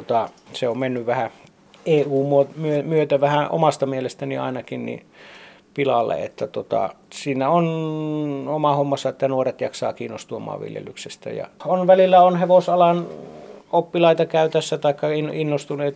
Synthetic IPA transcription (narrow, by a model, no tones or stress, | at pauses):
ot̪ɑ | seommenːyʋʋæhæ | eːuːmuomyømyøt̪æʋæhæʔo̰mɑst̪ɑmielest̪æniɑ̰inɑkinnḭ | pilɑlːḛḛt̪ːæt̪ot̪ɑ̰siːnæon | omɑhomːɑsːɑet̪ːænuoret̪jɑksɑ̰ːkiːnːost̪uomɑ̰ːʋʋḭljḛlyksest̪æ̰jɑ̰onʋælilːæonheʋosɑlɑn | opːilɑit̪ɑkæyt̪æsːæt̪ɑˑikːɑininːost̪uneːt̪